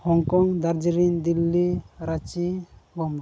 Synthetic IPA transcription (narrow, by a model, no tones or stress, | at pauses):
hɔŋkɔŋd̪aɾd͡ʒiɾind̪ilːiɾat͡ʃibɔm